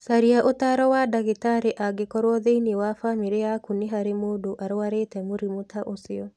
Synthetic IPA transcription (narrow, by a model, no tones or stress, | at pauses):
saɾiaʔotaɾɔwadaɣetaɾeʔaɡekɔɾwɔðeinewafamiɾeakuneɦaɾemodoʔaɾoaɾeːtɛmoɾimotaʔosɪɔ